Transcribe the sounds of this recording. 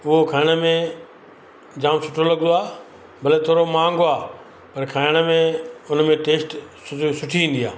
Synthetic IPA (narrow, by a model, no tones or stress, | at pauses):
ʊɦokʰaːɪɽ̃əmẽ | d͡ʑaːmsʊʈʰolɐɡə̃nd̪oaː | bɐlet̪ʰoːɾomãːŋɡoaː | pɐɾkʰaːɪɽ̃ə̆mẽʊnmẽʈeːsʈsʊsʊʈʰiĩːn̆d̪iaː